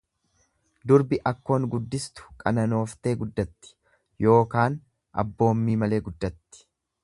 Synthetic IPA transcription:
d̪ʊɾbɪʔɐkːo̞ːŋɡʊd̪ːɪst̪ʊ̥kʼɐnɐno̞ːft̪e̞ːɡʊd̪ːɐt̪ːɪ̥ | jo̞ːkaːn | ʔɐ̰bːo̞ːmːiːmɐle̞ːɡʊd̪ːɐt̪ːɪ̥

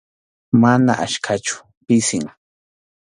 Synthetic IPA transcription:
manaʔaʃkʰat͡ʃʊ̥ | pɪsɪŋ

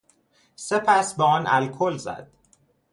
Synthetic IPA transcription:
sepʰæsbeɒːnʔælkʰolzæ̰d̪̥̚

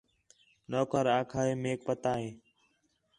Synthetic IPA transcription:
noːkəɾaːkʰaːeːmeːk̚pət̪aːɦeː

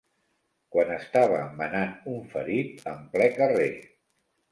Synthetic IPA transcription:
kwanəst̪aβ̞əmənanuɱfə̰ɾit̪̚əmplɛkəre

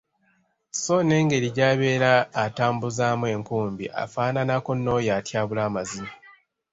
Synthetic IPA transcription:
so̞ne̞ːŋɡe̞ɾiɟaːβe̞ːɾaːtaːmbuzaːmwe̞ːŋkuːmbiʔa̰faːnanako̞nːo̞ːjatjaːβulaːmazine

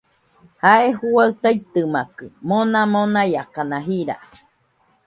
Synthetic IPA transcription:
haehuaɨt̪ait̪ɨmakɨmonãmonãjakanãɦiɾa̰

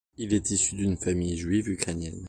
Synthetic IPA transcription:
ilɛt̪isyd̪ynfamijʒɥivykχɛnjɛn

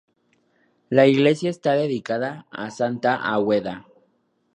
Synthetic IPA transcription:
laiɣle̞sjaest̪aðeðikaðaasant̪aʔaweða

